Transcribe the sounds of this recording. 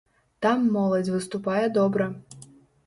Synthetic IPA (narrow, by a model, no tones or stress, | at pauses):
t̪amːɔlˠɐd͡zʲvɨst̪upajɛd̪ɔbɾɐ